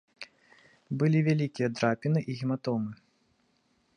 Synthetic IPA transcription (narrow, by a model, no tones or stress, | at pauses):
bɨlʲivʲalʲikʲijɐd̪ɾapʲinɨʔiɣʲimat̪ɔmɨ